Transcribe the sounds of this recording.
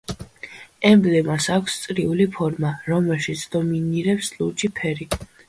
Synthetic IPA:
ɛmblɛmasakʷʰst̪sʼɾiulipʰɔɾmaɾɔmɛlˠʃit̪sʰd̪̥ɔminiɾɛpslut͡ʃʰʼipʰɛɾi

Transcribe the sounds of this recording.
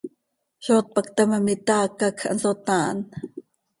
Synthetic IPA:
ʃoːt̪̚pakt̪amamit̪akakʰa̰nsot̪aːn

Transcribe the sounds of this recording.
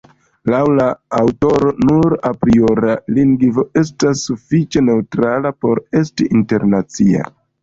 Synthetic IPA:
lawlaːwto̞ɾo̞nuɾapɾio̞ɾaliŋɡvo̞e̞s̬tasːufit͡ʃe̞ne̞utɾalapo̞ɾe̞stiʔinte̞ɾnat͡sia̰

